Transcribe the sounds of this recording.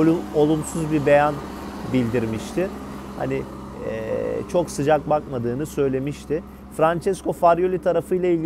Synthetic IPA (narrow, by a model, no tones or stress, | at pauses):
olˠumsuzbibe̞jan | bilʲd̪iɾmiʃt̪ʰɪha̰nɪ | ɛ̰t͡ʃʰo̞ksɯd͡ʒak̚bakmad̪ɯːnɯsø̞jlʲe̞miʃt̪ʰɪ | fɾant͡ʃɛskʰo̞faɾjo̞lʲit̪ʰaɾafɯjlˠailʲ